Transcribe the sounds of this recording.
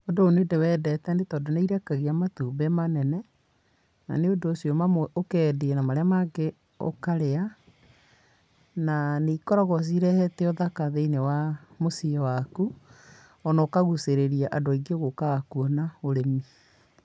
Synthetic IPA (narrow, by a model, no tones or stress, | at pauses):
odoonedewɛːdɛtɛnetɔdonaiɾɛkaɣiamatuːbɛmanɛnɛ | na̰neondoːsjɔmamokɛdeɛnamaɾeamaɡe | o̰kaɾea | naneikɔɾɔɣɔs̬iɾɛhɛtɛoðakaðeinewamosiɛwaku | ɔnaokaɣuseɾeɾiaʔadoaiɡeɣokakuɔnaoɾemi